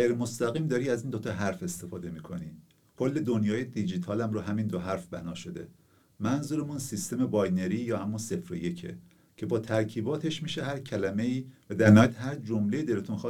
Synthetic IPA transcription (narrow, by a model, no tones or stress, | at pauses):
ɣejɾemo̞st̪æɣiːmd̪ɒːɾiːæziːnd̪ot̪ʰɒɦæɾfe̞st̪e̞fɒːd̪emiːkʰo̞̰niː | kʰo̞lːe̞d̪onjɒːjed̪id͡ʒit̪ʰɒːlæmɾoɦæmiːnd̪oɦæɾfbænɒːʃod̪e̞̰ | mænzuːɾemunsist̪e̞mebɒjne̞ɾiːjɒːhæmːunse̞fɾoje̞cʰe̞̰ | cʰe̞bɒːt̪ʰæɾcʰiːbɒːt̪ʰe̞ʃmiːʃehæɾcʰælæme̞iːvæd̪æɾnɒd̪hæɾd͡ʒomle̞jed̪elet̪ʰunxɒ